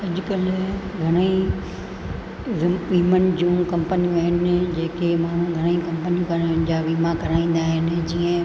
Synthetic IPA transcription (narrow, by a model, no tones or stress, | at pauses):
ɐd͡ʑʊkɐlɡʱɐɽ̃əi | ʋʋiːmənɪ̆d͡ʑũːkɐ̃mpənijũɦɪnɪ̆d͡ʑeːkemaːɳ̤ũɡʱɐɽ̃ikɐ̃mpənijũkɐɾnɪd͡ʑaːʋiːmakɐɾaːĩːn̆d̪aːɦɪnɪ̆d͡ʑiːə̃